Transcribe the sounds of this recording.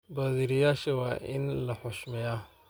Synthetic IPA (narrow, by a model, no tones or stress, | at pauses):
baːðiːɾɪjaːʃɐwɑːʔɪ̰nlɐħɔʃmɛja